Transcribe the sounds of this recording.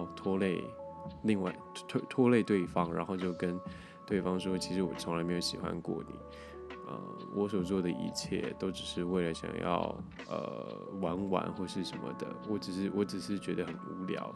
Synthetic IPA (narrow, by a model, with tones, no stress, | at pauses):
t̪ʰwɔ˥le˥˧ɪli˥˧ŋwa˥˩ɪt̪ʰwe˥˧t̪ʰwɔ˥le˥˧ɪt̪we˥˩ɪfɑ˥ŋɻa̰˧˥nxo˥˧ʊt͡ɕjo˥˩ʊkə˥n | t̪we˥˩ɪfɑ˥ŋʂ̩˥t͡ɕʰi˧˥ʂɻ̩˧˥wɔ˨˩t͡sʰʊ˧˥ŋla˧˥me˧˥jo˧˥ʊɕi˨˩xwa̰˧˦nkwɔ̰˥˩nḭ˨˩˦ | ə̰˧˩ | wʔɔ˧˥s̬wɔ˨˩t͡swɔ˥˩d̪ə˩ḭ˧˥t͡ɕʰjɛ̰˥˩t̪o˥ʊʈ͡ʂɻ̩˨˩ʂɻ̩˥˧we˥˩ɪlə˨˩ɕjɑ̰˨˩ŋjɑ̰˥˩ʊ | ʔə̰˨˩ | wa˧˥nwa̰˨˩nxwɔ˥˧ʂɻ̩˥˩ʂə˧˥nmə̰˧d̪ə̰˩wɔ˧˥ʈ͡ʂɻ̩˨˩ʂɻ̩˥˩wɔ˧˥ʈ͡ʂɻ̩˨˩ʂɻ̩˥˩t͡ɕɥɛ˧˥d̪ə˧xə˨˩nu˧˥ljɑ̰˨˩˦ʊ